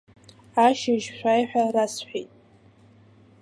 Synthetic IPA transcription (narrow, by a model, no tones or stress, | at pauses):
aʃɪʒʃʷᶣajħʷᶣarasħʷᶣḭjtʼ